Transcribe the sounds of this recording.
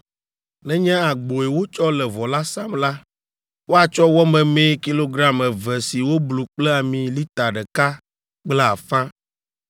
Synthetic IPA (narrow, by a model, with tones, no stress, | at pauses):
nɛ̃˦ɲɛ̃˦a˨ɡ͡bo˨ɛ˨wo˦t͡ʃɔ˦lɛ˨vɔ˨la˦sa˦mla˦ | wo˦a˨t͡ʃɔ˦wɔ˦mɛ̃˨mẽ˦ki˦lo˦ɡɾa˦mɛ˨vɛ˨si˨wo˦blu˨k͡plɛ˦a˨mĩ˨li˦t̪a˨ɖɛ˨ka˦ | k͡plɛ˦a˨fã˦